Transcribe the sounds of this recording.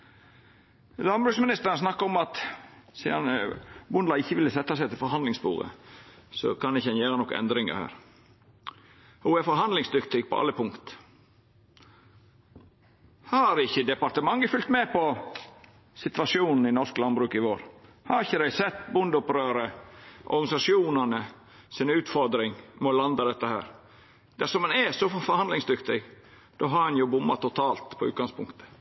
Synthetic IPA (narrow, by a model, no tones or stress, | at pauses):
lɑnbɾʉːksmɪnɪst̪əɾəns̬nɑkːəɔmɑt̪sḭːɑnbʊnd̪lɑɪçːəʋɪlːəsɛt̪ːɑsɛɪt̪ʰɪlfɔɾɦɑnd̪lɪŋsbṵːʁə̰sɔ̰kʰɑnɪçəɛnjeːɾənɔkːə̰ʔɛ̰nd̪ɾɪŋə̰ɾhæ̰ːɾ | huːɛfɔɾɦɑnd̪lɪŋsd̪ʏkt̪ʰɪk̚pʰɔ̰ʔɑ̰lːəpʰʊŋkt̪ | hɑɾɪçːəd̪ɛpɑɾt̪əmɑŋːəfʉlt̪mɛpʰɔ | sɪt̪ʋɑʂɪuːnn̩ɪnɔʂklɑnbɾʉːkɪʋoːɾ | hɑɾɪçːəd̪æɪsɛt̪ːbʊnd̪ʊpɾøːɾəʔɔ̰ɾɡɑnɪsɑʂɪuːnənə | sɪnʉːt̪fɔɾd̪ɾɪŋmɛɔlɑnd̪ɑd̪ɛt̪ːəhæ̰ːɾ | d̪̥æsɔmɑnɛsɔfɔɾhɑnd̪lɪŋsd̪ʏkt̪ɪɡ | d̪̥oːɦɑɾɛnjʊbʊmːɑt̪ʰːʊt̪ʰɑːlt̪pʰɔʉ̰ːt̪̚ɡɑŋspʰʊŋkt̪ə̥